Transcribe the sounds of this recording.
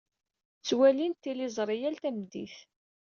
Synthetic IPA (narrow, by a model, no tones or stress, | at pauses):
t͡sːwælint̪ːilizˤɾˤijælt̪æmd̪ḭθ